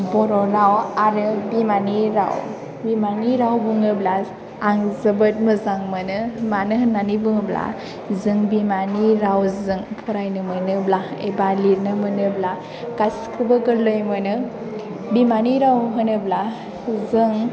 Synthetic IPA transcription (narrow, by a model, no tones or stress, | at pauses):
bɔɾɔɾawaɾɯbimaniɾa̰w | bimaniɾawbuŋɯbla | aŋzɯbɯt̚mɯzaŋmɯnɯmanɯɦnanibuŋɯbla̰ | zɯŋbimaniɾawzɯŋpʰɔɾajnɯmɯnɯblaḛbaliɾnɯmɯnɯbla | ɡaskʰɯbɯɡɯlojmɯnɯ | bimaniɾawɦɯnɯbla | zɯŋ